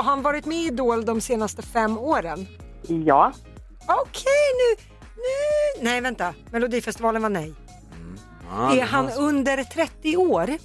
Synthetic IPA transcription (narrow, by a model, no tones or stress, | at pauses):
ɾɦanvɑːɾɪt̪mɛɪd̪oːld̪ɔmseːnast̪əfɛmːoːɾən | jɑː | ɔkʰɛjnʉː | nʉːnɛjvɛnt̪amɛlʊd̪iːfɛst̪ɪvɑːlənvanɛj | ɛɦanɵnd̪əɾt̪ʰɾɛt̪ːɪoːɾ